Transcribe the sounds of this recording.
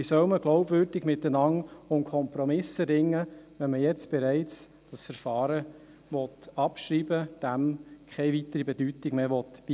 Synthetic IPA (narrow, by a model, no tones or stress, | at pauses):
isœwməɡ̥lɔʊbvøːɾd̥ɪɡmɪtənɑŋʊnkʰɔmpɾɔmɪsəɾɪŋːəʋɛnməjɛt͡sb̥ɛɾɛɪt͡s | d̥ɑsfəɾfɑːɾə | ʋɔtɑpʃɾiːbəd̥æmkʰɛɪvitəɾibɛdytɪɡmeːʋɔtb̥i